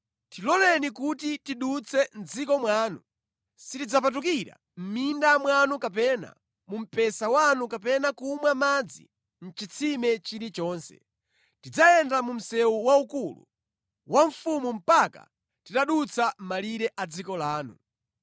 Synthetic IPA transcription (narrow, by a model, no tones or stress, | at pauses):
tilɔlɛnikutitiɗut͡sʰɛn̩d͡zikɔmwaːnu | sitid͡zapat̬uk̬iɾa̰ | m̩mindamwanukap̬ɛna̰ | mum̩pɛsawanukapɛnakumwamad͡zḭ | n̩t͡ʃit͡sʰimɛt͡ʃiɾit͡ʃɔːnsɛ̰ | tid͡zajɛndamum̩sɛwuwaukulṵ | wʔaɱ̩fumum̩paka̰ | titaɗut͡sʰam̩maliɾɛʔad͡zikɔlaːnṵ